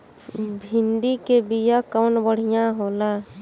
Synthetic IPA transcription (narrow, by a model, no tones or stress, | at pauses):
bʱinɖikebijakawnbəɽ̤ijãɦola